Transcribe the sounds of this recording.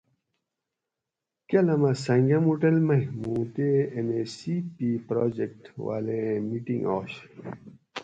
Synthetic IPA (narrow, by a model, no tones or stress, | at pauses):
kɐlɐmɐsɐŋɡɐmuʈelmɐɦmũːt̪eenesipipɾoːd͡ʑek̚ʈwa̰lemiʈḭŋɡo̰ːɕ